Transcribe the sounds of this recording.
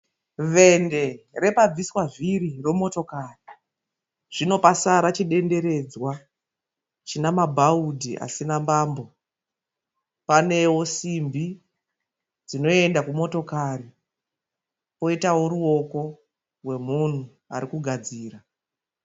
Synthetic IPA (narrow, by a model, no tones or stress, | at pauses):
ʋe̞nde̞re̞pab͡viswaʐiɾiro̞moto̞kari | ʐ̥ino̞pasaɾat͡ʃiɗe̞nde̞ɾe̞d͡zwa | t͡ʃinamabʱaudʱiʔa̰sinambaːmbo̞ | pane̞wo̞simbi | d͡zino̞e̞ndakumo̞to̞kari | po̞itawo̞ɾuo̞ko̞ | rwe̞mun̤u | a̰ɾikuɡʱad͡ziːra